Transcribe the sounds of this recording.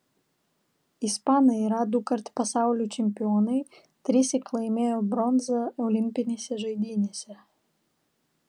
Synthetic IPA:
ispɑːnɐɪɾɑːd̪ukɐɾt̪ʲpɐsɑˑʊlʲuːt͡ʃʲɛmʲpʲɪɔːnɐɪ | t̪ʲɾʲɪsʲɪklˠɐɪmʲeːjobɾɔnzɐɔʊlʲɪmʲpʲɪnʲeːsʲɛʒɐɪd̪ʲiːnʲeːsʲɛ

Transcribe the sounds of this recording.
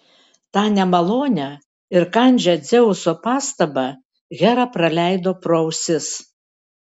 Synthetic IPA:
t̪ɑːnʲɛmɐlˠoːnʲɛ | ɪɾkɐˑnʲd͡ʒʲɛd̪zʲɛʊsoːpɑːst̪ɐbɑ | ɣʲæɾɑpɾɐlʲæˑɪd̪oːpɾɔʊsʲɪs

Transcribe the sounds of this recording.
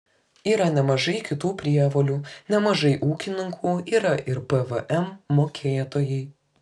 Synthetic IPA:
iːɾɐnʲɛmɐʒɐɪkʲɪt̪uːpʲɾʲiɛʋolʲuːnʲɛmɐʒɐɪʔuːkʲɪnʲɪŋkʰuːiːɾɐʔɪɾpɛʋɛʔɛmːoːkʲʰeːt̪oːjɛɪ

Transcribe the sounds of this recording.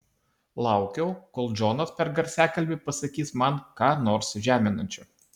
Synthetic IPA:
lˠɑˑʊkʲɛʊkoːlˠd͡ʒɔnɐt̪pʲɛɾɡɐɾʲsʲæːkɐlʲbʲɪpɐsɐkʲiːsmɐnkɑːnoːɾsʒʲæːmʲɪnɐnʲt͡ʃʲʊ

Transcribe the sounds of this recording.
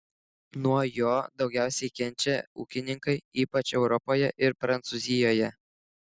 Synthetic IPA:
nuɔjoːd̪ɒʊɡʲæˑʊsʲɛɪkʲɛnʲt͡ʃʲɛuːkʲɪnʲɪŋkɐɪiːpɐt͡ʃɛʊɾɔpoːjɛʔɪɾpɾɐnt̪suzʲɪjoːjɛ

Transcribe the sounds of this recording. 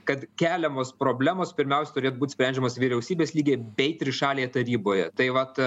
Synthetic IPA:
kɐt̪kʲæːlʲɛmoːspɾoːbʲlʲæːmoːspʲɪɾʲmʲɛʊsʲɛt̪ʊɾʲeːt̪ʊbuːt̪ʲsʲpʲænʲd͡ʒʲɛmoːsʋʲiɾʲɛʊsʲiːbʲeːsʲlʲiːɡʲeːbʲɛɪt̪ʲɾʲɪʃɑːlʲeːjɛt̪ɐɾʲiːboːjɛ̰t̪ɐɪʋɐt̪

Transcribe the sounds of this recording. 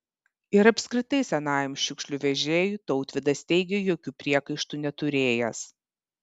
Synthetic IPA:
ɪɾɐpʲsʲkɾʲɪt̪ɐɪsʲɛnɑːjɛmʃʲʊkʃʲlʲʊʋʲɛʒʲeːjuˑt̪ɒʊt̪ʲʋʲɪd̪ɐst̪ʲɛɪɡʲɛjoːkʲuːpʲɾʲiɛkɐɪʃt̪uˑnʲɛt̪ʊɾʲeːjɛs

